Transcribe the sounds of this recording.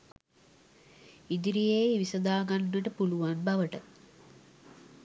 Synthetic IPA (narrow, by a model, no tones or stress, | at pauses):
id̪iɾijeiʋisɐd̪aːɡanːəʈəpuluʋanbɐʋəʈə